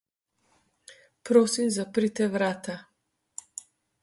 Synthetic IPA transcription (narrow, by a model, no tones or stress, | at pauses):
pɾoːsimzapɾit̪ɛʋɾaːt̪a